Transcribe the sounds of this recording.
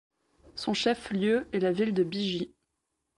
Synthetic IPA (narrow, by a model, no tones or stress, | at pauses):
sɔ̃ʃɛfljøɛlavild̪əbiʒi